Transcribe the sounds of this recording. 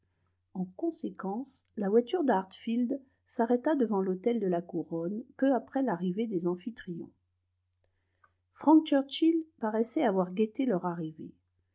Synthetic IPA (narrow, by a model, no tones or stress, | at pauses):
ɑ̃kɔ̃sekɑ̃slavwat̪yʁd̪aʁt̪fild̪ | saʁɛt̪ad̪əvɑ̃lot̪ɛld̪əlakuʁɔnpøapχɛlaʁived̪ezɑ̃fit̪χijɔ̰̃ | fχɑ̃k̚t͡ʃœʁt͡ʃilpaʁɛsɛavwaʁɡʲet̪elœʁaʁivḛ